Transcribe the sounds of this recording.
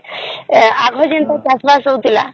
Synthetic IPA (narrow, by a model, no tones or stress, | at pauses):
aɡʱɔd͡ʑent̪aɾkasbasowt̪ila̰